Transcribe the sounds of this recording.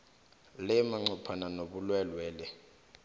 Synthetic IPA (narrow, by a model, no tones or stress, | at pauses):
lɛmaŋ͡ǀɔpʰananoɓulwɛlwɛːlɛ